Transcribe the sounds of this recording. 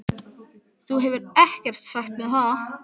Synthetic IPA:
θuɦɛvʏɾɛhcɛr̥t̪saxt̪mɛðθa

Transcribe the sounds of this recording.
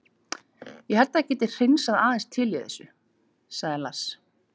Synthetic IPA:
jɛɦɛlt̪aɛcɛːt̪ɪ̥r̥ejnsaðaːðɛnst̪ʰɪljeðɛ̰sʏ | saɣðɪlas

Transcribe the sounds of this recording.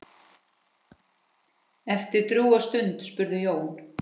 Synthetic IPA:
ɛft̪ɪɾ̥t̪ɾjuːast̪ʏnt̪spʏɾðʏjoːwn

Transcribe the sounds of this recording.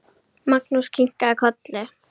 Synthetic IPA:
maknʊskʰɪŋkakʰɔt̪le

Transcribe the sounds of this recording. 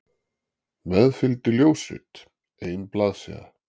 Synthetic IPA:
mɛðfɪlt̪ɪljoːwsɪ̰t̪ | ejnplaːðsɛ̰a̰

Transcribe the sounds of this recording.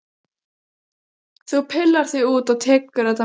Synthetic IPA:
θupʰɪlːaɾ̥θiɣuːt̪awt̪ʰɛːkʏɾ̥ðɛht̪a

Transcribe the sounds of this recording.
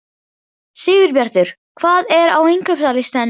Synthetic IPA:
sɪːvɪɾpjaɾ̥t̪ʏɾ̥ | kʰvaːðɛɾawejŋkœpsalɪst̪ɛn

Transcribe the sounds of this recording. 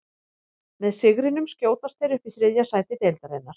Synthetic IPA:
mɛðsɪɣɾɪnʏmscjoːwt̪ast̪θejɾʏfɪθɾɪðjasaːjt̪ɪt̪ejlt̪aɾɛnːaɾ̥

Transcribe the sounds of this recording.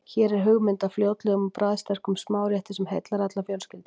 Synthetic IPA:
çɛːɾɛɾ̥ɦʏɣmɪnt̪afljoːwt̪lɛɣʏmɔpɾaːðst̪ɛr̥kʏmsmaːwɾjɛht̪ɪsɛmhejt̪laɾat̪lafjɔwlscɪlt̪

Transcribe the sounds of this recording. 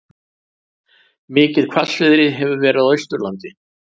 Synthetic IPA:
mɪːcɪðkʰvalvɪðɾɪɦɛvʏɾvɛːɾɪaðœɥst̪ʏɾlant̪ɪ

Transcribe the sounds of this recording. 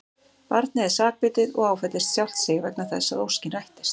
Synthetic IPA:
paɾt̪̚nɪɛɾ̥saːk̚pɪːt̪ɪðɔ̰ɣaːwfɛt̪ɪst̪sjawl̥t̪sɪːɣvɛknaɾθɛsːaðowscɪnajht̪ɪ̥st̪

